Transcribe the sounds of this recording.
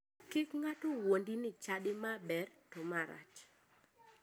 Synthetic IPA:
kɪkŋatowondinɪt͡ʃaɗɪmabɛrtomaɾa̰t͡ʃ

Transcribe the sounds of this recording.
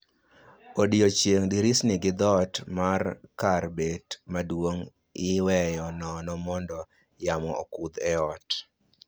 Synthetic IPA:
odiot͡ʃjeŋdɪɾisnɪɡɪd̪ɔtmarkarbetmadwoŋ | ɪwɛjɔnɔnɔmɔndɔ | jamɔɔ̰kud̪ɛɔt

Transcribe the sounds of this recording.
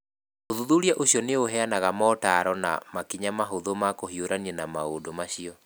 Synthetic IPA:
oðuðuɾiaʔoɕjɔneoɦɛanaɣamɔtaɾɔna̰makiɲamaɦoðomakohioɾaniɛnamaodomaɕiɔ

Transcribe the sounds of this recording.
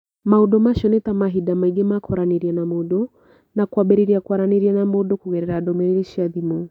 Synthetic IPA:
maudɔmaʃɔnɛtamaɦidamaiɡemakʰɔɾaniɾianamɔdɔ | nakwabɛɾiɾiakwaɾaniɾianamɔdɔkuɣɛɾɛɾadɔmɛɾiɾiʃiaðimɔ

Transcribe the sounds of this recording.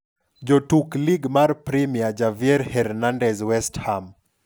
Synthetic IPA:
d͡ʒɔtukliɡmaɾpɾimiad͡ʒaviɛɾhɛɾnandɛzwɛstham

